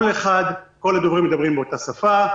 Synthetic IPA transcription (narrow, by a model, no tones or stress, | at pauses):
leχad̪ko̞lhad̪ovʁimːed̪abʁimbeotasafa